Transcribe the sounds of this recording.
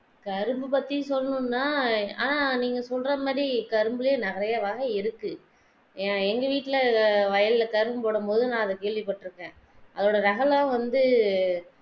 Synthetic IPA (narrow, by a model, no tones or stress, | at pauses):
kɐɾɯmbɯpɐt̪ːisɔlːɐnɯnːaːa̰ːnaniːŋɡɐsɔlɾɐmaːðɾikɐɾɯmbɯlɐjenɐɣɐɾɐjaʋaːɣɐɪɾɯkːɯ | aɛŋɡɐʋiːʈːɪlɐʋɐjɐllɐkɐɾɯmɯpoːɽɯmpoːðɯnãːɐðɐkeːɭʋɪpːɐʈːɯɾɯkːẽː | ʔɐðoːɽɐɾɐɣɐlãːʋɐnd̪ɯ